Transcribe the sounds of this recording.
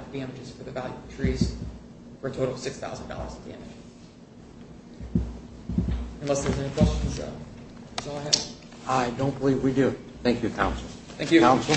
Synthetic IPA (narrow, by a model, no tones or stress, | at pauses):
vdæ̃mɨd͡ʒɨz̥fə˞ðɨvælˠjʉʌ̥tʰɹ̥iz̥ | fə˞ɨtʰoʊɾl̩ˠʌv̥sɪksθa̰ʊzn̩dɔ̰lˠə̰˞zədiɛ̰̃mɨ̰d͡ʒ | ɨ̃nlɛsðə˞zɛnikʰw̥ɛst͡ʃɨ̃nso̰ʊ | ɨsɔlˠaɪɨv̥ | aɪdõʊ̃nb̥əlivwidɨ | θæ̃ŋkjɨkʰãʊ̃nsl̩ˠ | θæ̃ŋkjɨkãʊ̃nsl̩ˠ